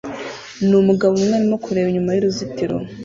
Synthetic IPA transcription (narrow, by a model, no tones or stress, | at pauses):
numuɡaβoumŋeɾimo̞kuɾe̞ːβiɲumajuɾuzitiɾo̰